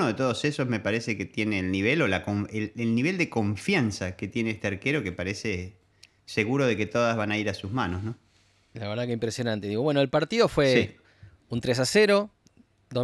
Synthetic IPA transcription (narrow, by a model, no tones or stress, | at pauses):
oðet̪o̞ðosesozmepaɾeseket̪je̞neːlniβ̞elolakoɱeelniβ̞e̞ld̪eko̞ɱfjansaket̪jeneest̪eaɾkeɾokepaɾese | seɣuɾoðe̞ke̞t̪oðazβanaiɾasuzmano̞zno | laβeɾðakeimpɾesjo̞nãnt̪eðiɣowe̞noelpaɾt̪iðo̞fwesi | unt̪ɾes̬aseɾo̞ | d̪o